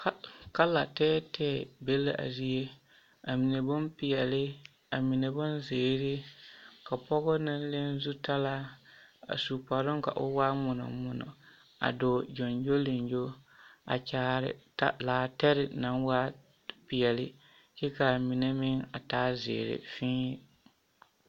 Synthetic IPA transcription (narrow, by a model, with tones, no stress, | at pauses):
kka˦la˨tɛː˦tʰɛː˦˨be˦la̰˦˨ʔa̰˨zi˦e˦ | a˨mi˨ne˨bʊ˦npɪ˨ɛ˨lɪ˦ | a˨mi˨ne˨bʊ˦nzeː˨ɾɪ˦ka˨pɔ˦ɣɔ˦na˦n˦le˦n˦zu˦ta˦la˦a̰˨su˨pɔ˨ɾʊ˦ŋka̰˨ʔʊ˦waː˦mʊ˨nɔ̰˨mʊ˨nɔ̰˨ | a̰˨dʊ˨d͡ʒɔ˨nd͡ʒo˦le˨nd͡ʒo˦a̰˨t͡ʃaː˦ɾɪ̰˨ta̰˦laː˨tɛ˦ɾɪ˨na˦nwa˦ | pɪ˨jɛ˨lɪ˦ | t͡ʃɛ˦ka˨mi˨ne˦mɪ˦ŋa˨taː˦zɪ̰ː˨ɾɪ̰˨fɪ̃ː˦